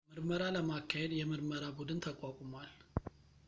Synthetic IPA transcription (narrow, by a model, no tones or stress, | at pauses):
mɨɾməɾaləmakʰːahed̪jɛmɨɾməɾabud̪ɨnt̪ʰəkʷʼakʼumwal